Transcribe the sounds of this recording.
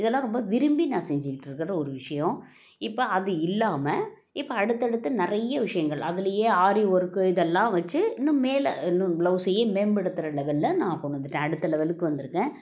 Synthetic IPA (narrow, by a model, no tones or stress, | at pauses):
ɪðɛlːãːɾɔmbɐʋɪɾɯmbinãːsɛɲd͡ʒɪkɪʈːɪɾɯkːɪɾɐɔɾɯʋɪʂɐjɔ̃ | ɪpːoɐðɯɪlːaːmɐ | ɪpːoɐɽɯt̪ːɛɽɯt̪ːɐnɪɾɐjɐʋɪʂɐjɐŋɡɐɭɐðɪlɐjeːaːɾiɔɾɯkːɯɪðɛlːãːʋɐt͡ʃːɯɪnːʊ̃meːl̰ɪnːũblɐʊsɐjeːmeːɳbɛɽɯt̪ːɯɾɐlɛʋɐlːɐnãːkɔɳːɯnd̪ɯʈːẽːɐɽɯt̪ːɐlɛʋɐlɯkːɯʋɐnd̪ɯɾɯkːẽː